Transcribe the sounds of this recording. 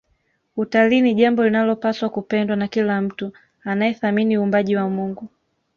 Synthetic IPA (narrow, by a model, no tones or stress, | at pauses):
utaliːniʄambɔlinalɔpaswakupɛndwanakilam̩tu | anajɛθaminiuːmbaʄiwamuŋɡu